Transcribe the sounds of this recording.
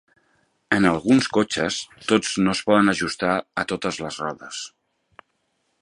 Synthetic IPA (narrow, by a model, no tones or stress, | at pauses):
ənəlˠɣunskot͡ʃəst̪od͡znospɔðənəʒust̪aət̪ot̪əzləzrɔðəs